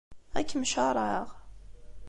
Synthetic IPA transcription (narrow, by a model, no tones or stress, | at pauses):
æ̰kːəmʃɑɾˤɑʁ